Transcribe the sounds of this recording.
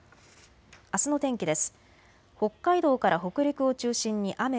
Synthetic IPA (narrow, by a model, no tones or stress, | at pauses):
asɨno̞t̪ẽ̞ŋkʲid̪e̞sɨ̥ | ho̞kːaid̪o̞ːkaɾaɦo̞kɯ̟ɾʲikɯ̟o̞t͡ɕɨːɕĩɲ̟ːiʔame